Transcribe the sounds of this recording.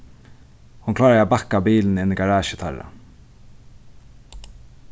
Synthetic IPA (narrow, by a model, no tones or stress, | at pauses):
hʊnkʰlaːɾaabakːabiːlnɪnɪɾɡaɹaːʃɪt̪ʰa̰ɾa̰